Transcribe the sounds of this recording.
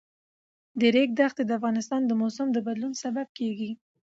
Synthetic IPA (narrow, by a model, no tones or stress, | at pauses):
d̪əɾek̚d̪axt̪ed̪əafɣɑnɪst̪ɑnd̪əmosamd̪əbad̪lunsabab̚keɡi